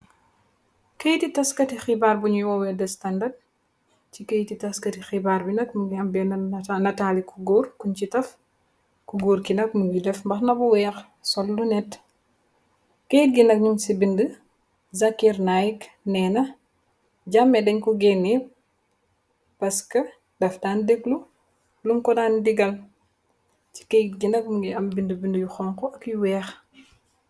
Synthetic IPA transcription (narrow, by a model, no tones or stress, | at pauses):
kɐjtitɐskɐtixibaːrbuɲuwɔwɛdɛstɐndɐd̚ | cikɐjtitɐskɐtixibaːrbinɐk̚muɡiɐmbɛnɐnɐtaːlikʰuɡɔrkuɲcitɐf | kuɡoːrkinɐk̚muɡidɛfmbɐxnɐbuwɛːx | sɔlːunɛt | kejt̚ɡinɐk̚ɲumsibində | zɐkiɾnajk | nɛːnɐ | ɟamːɛdɛɲkuɡɛni | pɐskɐ | dɐfdaːndeklu | luŋkɔdandiɡɐl | ci̥kɛjtɡinɐkmuŋɡiɐmbindəbindəjuxɔːŋkɔɐkjuwɛːx